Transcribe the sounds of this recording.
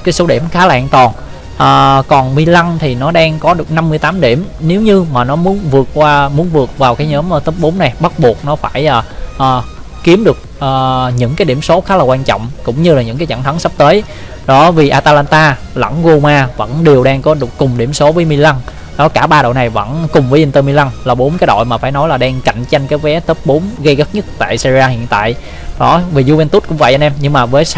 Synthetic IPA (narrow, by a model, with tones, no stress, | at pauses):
kaː˨˦jso˨˦ɗḭ˧˩əmxaː˨˦la̰ː˧˨ŋt̪ɔ˨˩n | ʔəː˨˩kɔ˨˩nmi˧la˧nt̪ʰi˨˩nɔ˨˦ɗaː˧ŋkɔ˨˦ɗɨ˨˩ək̚na˧mːɨ˧jt̪aː˨˦mɗi˧˩əmne˨˦wɲɨ˧maː˨˩nɔ˨˦mu˨˦ənvɨ˨˩ək̚kwaː˧mu˨˦ənvɨ˨˩ək̚vaː˨˩wkaː˨˦jɲɔ˨˦məː˨˩t̪əː˦˥p̚ɓo˨˦na˨˩jɓa˦˥t̚ɓu˨˩ək̚nɔ˨˦faː˧˩jlaː˨˩ʔəː˨˩ | ki˨˦əmɗɨ˨˩ək̚ʔəː˨˩ɲɨ̰˧˥ŋkaː˨˦jɗi˧˩əmso˨˦xaː˨˦˥laː˨˩kwaː˧nt͡ɕɔ̰˧˨wŋ͡mkʊ̰˧˥wŋ͡mɲɨ˧laː˨˩ɲɨ̰˧˥ŋkaː˨˦t͡ɕə̰˧˩nt̪ʰə˨˦ŋsa˦˥p̚t̪əː˨˦j | ɗɔ˨˦vi˨˩ʔaː˧t̪aː˧laː˧nt̪aː˧ | lə̰˧˥nɣu˧maː˧və̰˧˥nɗi˨˩əwɗaː˧ŋkɔ˨˦ɗɨ˨˩əkːʊ˨˩ŋ͡mɗi˧˩əmso˨˦vəː˨˦jmi˧la˧n | ɗɔ˨˦kaː˧˩ɓaː˧ɗo̰˧˨na˨˩jvə̰˧˥nkʊ˨˩ŋ͡mvəː˨˦ʔi˧nt̪əː˧mi˧la˧nlaː˨˩ɓo˨˦nkaː˨˦jɗo̰˧˨jmaː˨˩faː˧˩jnɔ˨˦jlaː˨˩ɗaː˧ŋka̰˧˨jŋ̟t͡ɕa˧jŋ̟kaː˨˦jvɛ˨˦t̪əː˦˥p̚ɓo˨˦nɣə˧jɣə˦˥t̚ɲə˦˥k̚t̪a̰ː˧˨jsi˧i˧aː˧˩hḭ˧˨ənt̪a̰ː˧˨j | ɗɔ˨˦vi˨˩zu˧vɛ˧nt̪u˦˥t̚kʊ˧˥ŋ͡mvə̰˧˨jʔə˧nʔɛ˧mɲɨ˧ŋmaː˨˩vəː˨˦j